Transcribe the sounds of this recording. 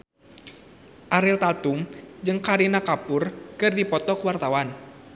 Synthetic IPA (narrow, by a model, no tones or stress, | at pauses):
ʔaɾilt̪at̪umd͡ʒɨŋkaɾinakapʊrkɨrdipɔt̪ɔkwart̪awan